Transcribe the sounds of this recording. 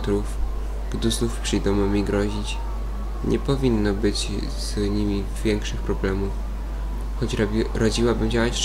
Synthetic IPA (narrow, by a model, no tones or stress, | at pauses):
t̪ɾuf | ɡ̥d̪uznufpʂɘjd̪ɔmɔmʲiɡɾɔʑit͡ɕ | ɲʔɛpɔvʲinːɔbɘt͡ɕ | z̥ɲimʲi | vʲjɛŋkʂɘxpɾɔblɛmuf | xɔt͡ɕʲɾad͡ʑiwabɘmd͡ʑawat͡ɕ